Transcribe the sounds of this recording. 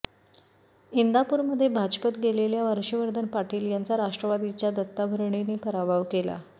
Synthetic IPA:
ind̪apuːɾməd̪ʱːjebʱad͡ʑpət̪ɡeleljaʋəɾɕəʋəɾd̪ʱənpaʈiːljant͡saɾaʂʈɾəʋad̪it͡ɕjad̪ət̪ːabʱəɾɳ̃eniːpəɾabʱaʋkela̰

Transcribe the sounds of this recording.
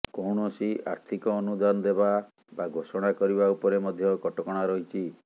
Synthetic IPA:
kɔwɽɔsiʔa̰ɾt̪ʰikɔːnud̪anɔd̪eba | baɡʱosɔɽ̃akɔɾibaupɔɾemɔd̪ʱjɔkɔʈɔkɔɽ̃aɾɔɦit͡ʃʰi

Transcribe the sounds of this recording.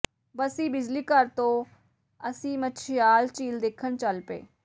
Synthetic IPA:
bəsĩːbɪd͡ʒliːkəɾt̪õː | əsĩːmətːt͡ʃʰɪjaːlt͡ʃiːld̪eːkʰːənt͡ʃəlpḛː

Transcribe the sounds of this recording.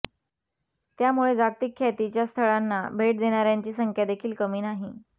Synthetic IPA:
t̪jamuɭed͡zat̪ikʰːat̪it͡ɕjast̪ʰəɭanːa̰bʱeʈ̚d̪eɽ̃aɾjaɲt͡ɕiːsəŋkʰjad̪ekʰiːlkəmiːnaɦi

